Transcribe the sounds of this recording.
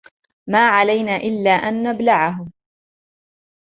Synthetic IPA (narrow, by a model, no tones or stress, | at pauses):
maːʕalajnaːʔɪlːaːʔanːablaʕaɦʊm